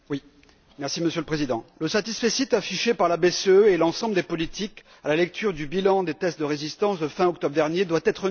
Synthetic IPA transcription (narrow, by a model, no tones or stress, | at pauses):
wi | mɛʁsiməsjøləpχezid̪ɑ̃ləsat̪isfesit̪afiʃepaʁlabeseøelɑ̃sɑ̃bləd̪epɔlit̪ʰik | alalɛk̚t̪yʁd̪ybilɑ̃d̪et̪ɛst̪̚d̪əʁezist̪ɑ̃sd̪əfɛ̃ɔk̚t̪ɔbʁd̪ɛʁnjed̪wat̪ɛt̪χə